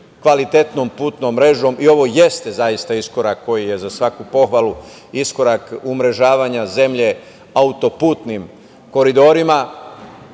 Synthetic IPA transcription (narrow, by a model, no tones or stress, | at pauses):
kʋalit̪e̞t̪no̞mpuːt̪nomːɾe̞ʒo̞mio̞ʋo̞je̞st̪ezajist̪aisko̞ɾakːo̞jije̞zasʋakupo̞xʋalu | isko̞ɾakumɾe̞ʒaːʋaɲaze̞mʎe̞ | aut̪o̞puːt̪nim | ko̞ɾid̪o̞ːɾima